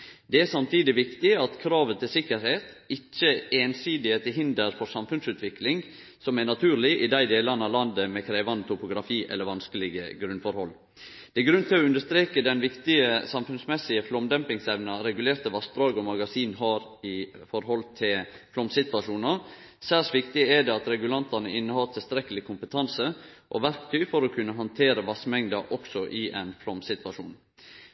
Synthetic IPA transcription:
d̪ɛæsɑmt̪ʰiːd̪ɪʋɪkt̪ɪɑt̪kʰɾɑːʋət̪ʰɪlsɪkəɾheːt̪ɪc͡çːəeːnsiːd̪ɪhet̪ʰɪɦɪnd̪əɾfɔɾsɑmfʉnsʉːt̪ʰʋɪklɪŋ | sɔmænɑt̪ʰʉːɾlɪʔɪd̪æɪd̪eːlɑnəɑʋlɑnd̪əmɛkʰɾeːʋɑnət̪ʰʊpʊɡɾɑfiːʔɛ̰lːəɾʋɑnskəlɪɡəɡɾʉnfɔɾhɔlː | d̪̥ɛɛɡɾʉnt̪ʰɪlɔʉnd̪əʂt̪ɾeːkəd̪ɛnʋɪkt̪ɪəsɑmfʉnsmɛsɪəflɔmd̪ɛmpɪŋsɛʋnɑɾɛɡʉleːɾt̪əʋɑsd̪ɾɑːɡɔmɑɡɑsiːnɦɑɾɪ | fɔɾɦɔlt̪ʰɪl | flɔmsɪt̪ʋɑʂuːnɑ | sæːsʋɪkt̪ɪɛd̪ɛɑt̪ɾɛɡʉlɑnt̪ɑnəɪnːəhɑt̪ʰɪlst̪ɾɛkəlɪkʰʊmpət̪ʰɑnsəʔɔ̰ʋæɾkt̪ʰœʏfɔɾɔkʰʉnːəɦɑnt̪ʰeːɾəʋɑsmɛŋd̪ɑʔɔksɔʔɪʔɛnflɔmsɪt̪ʋɑʂuːn

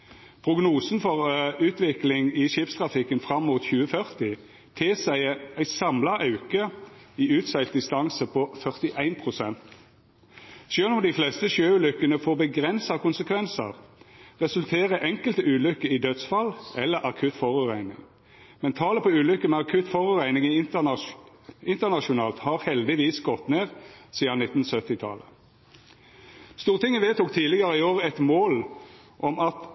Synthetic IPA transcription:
pʰʁʊɡnuːsnfɔʁʉːt̪ʋɪklɪŋɪʃiːpst̪ʰʁɑfɪkənfʁɑmːuːt̪çʉːəfœʁt̪ɪ | t̪ʰeːsæɪæɪsɑmlɑʔɑʉkə | iʉːt̪sæɪlt̪̚d̪ɪst̪ɑnsəpʰɔfœʁt̪ɪʔæɪnpʰʁʊsɛnt̪ | ʃøːlʊmd̪ɪflɛst̪əʃøːʉːlʏkːənəfoːbəɡʁɛnsɑkʊnsəkʰʋɛnsə̰ʁʁɛsʉlt̪ʰeːʁəʔɛŋkəlt̪əʉːlʏkəɪd̪ød̪sfɑlʔɛlːəʁʔɑkʰʉt̪fɔʁʉʁæɪnɪ̰ŋ | mɛnt̪ʰɑːləpʰɔʉːlʏkːəmeːɑkʰʉt̪fɔʁʉʁæɪnɪŋɪ | ɪnt̪ənɑʃʊnɑːlt̪hɑːʁhɛld̪ɪʋiːsɡɔt̪neːʁsiːənɪt̪ːn̩sœt̪ɪt̪ʰɑ̰lə | st̪uːʁt̪ɪŋːənʋeːt̪ʊkt̪ʰiːlɪɡəʁəɪoːʁəɛt̪moːl | ʔɔmɑt̪

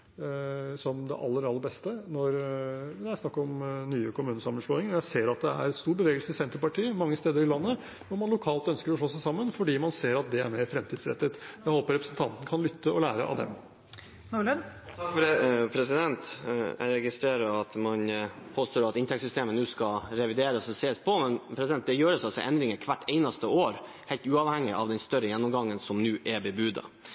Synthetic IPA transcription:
sɔmd̪ɛ̰ʔɑlːəɾɑlːəɾbɛst̪ənɔɾd̪ɛæɪsnɑkːɔmnyːəkʰʊmʉːnəsɑmːənʂloːɪŋəɾjæɪseːɾɑt̪̚d̪ɛæ̰ɾɛt̪st̪uːɾbəʋeːɡəlsəɪsɛnt̪əɾpɑʈʰiːəmɑŋːəst̪eːd̪əɾɪlɑnːə | ʋɔmɑnlʊkʰɑːlt̪œnskəɾɔʂɭoːsæɪsɑmːənfɔɖiːmɑnseːɾɑt̪̚d̪ɛæ̰ɾmeːɾfɾɛmt̪iːd̪sɾɛ̰t̪ːət̪jæɪhoːpəɾɛpɾəsnt̪ʰɑnt̪n̩kʰɑnlʏt̪ːəɔlæːɾə̰ʔɑ̰ʋd̪ɛ̰m | nulən | t̪ʰɑkfɔɖɛpʰɾɛsɪd̪ɛnt̪æ̰ɾɛɡɪst̪ɾeːɾəɑt̪mɑnpʰoːst̪oːɾɑt̪ɪnt̪ʰɛksʏst̪eːmənʉːskɑɾɛʋɪd̪eːɾəsɔɛseːspʰɔmɛnpʰɾɛsɪd̪ɛnt̪̚d̪ɛjøːɾəsɑlsɔʔɛnd̪ɾɪŋəkʰʋæʈʰːɛɪnɑst̪əoːɾ | hɛɪlt̪ʉːɑːʋhɛŋːɪʔɑ̰ʋd̪ɛnst̪œɾəjɛnːɔmɡɑŋːənsɔmnʉːʔɛbəbʉd̪ə̰

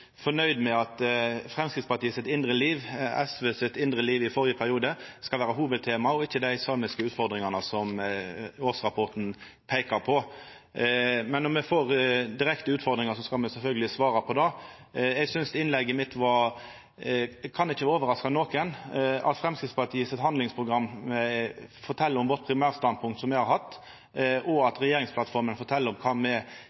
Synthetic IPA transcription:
fɔnœʏd̪mɛɑt̪fɾɛmskɾɪt̪spɑt̪ʰiːəsɪt̪ɪnd̪ɾəliːʋɛ̰sʋesɪt̪ɪnd̪ɾəliːʋɪfɔɾjəpʰæɾɪuːd̪əskɑlʋæːɾəɦuːʋəd̪̚t̪ʰeːmɑɔɪçːəd̪æɪsɑːmɪskəʉːt̪fɔʁd̪ɾɪŋɑnəsɔm | oːsɾɑpʰɔt̪n̩ | pʰeɪkɑɾpʰɔ | mɛnːɔmɛfoːɾd̪ɪɾɛkt̪əʉːt̪fɔɾd̪ɾɪŋɑsɔskɑlmɛsɛlfœlɡəlɪsʋɑːɾɑpʰɔd̪ɑ | ɛɡsʏnsd̪ɪnlɛɡːəmɪt̪ːʋɑ | kʰɑnɪçːəʋoːʋəɾɑskɑnoːkənɑ̰t̪fɾɛmskɾɪt̪spɑʈ̪ʰiːsɛt̪hɑnd̪lɪŋspʰɾʊɡɾɑmː | fɔʈ̪ʰɛlːəɾɔmʋɔt̪̚pʰɾɪmæːɾst̪ɑnpʰʊŋkt̪sɔmɛɪhɑɾɦɑt̪ː | ʔɔɑt̪ɾɛjeːɾɪŋspʰlɑt̪fɔɾmənfɔʈ̪ʰɛlːəɾɔmkʰɑːmɛ

